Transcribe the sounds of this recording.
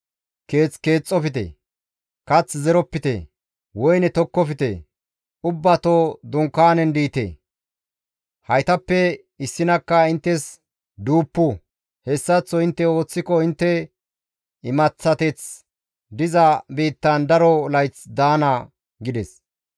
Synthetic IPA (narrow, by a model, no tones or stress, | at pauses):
ke̞ːt͡ske̞ːt͡sʼːɔfɪt̪ɛ̰ | kɐt͡szɛɾɔpːɪt̪ḛ | wɔjnɛt̪ɔkːɔfɪt̪ḛ | ʊbːɐt̪od̪ʊŋkːaːnɛnd̪iːt̪ḛː | hɐjt̪ɐpːɛ | ɪsːɪnɐkːɐɪnt̪ːɛs | d̪uːpːʊ | hɛsːɐt͡sːɔɪnt̪ːɛo̞ːt͡sːɪkɔɪnt̪ːɛ | ɪmɐt͡sːɐt̪ɛt͡s | d̪ɪzɐbiːt̪ːɐnd̪ɐɾɔlɐjt͡sd̪aːnɐ | ɡɪd̪ɛs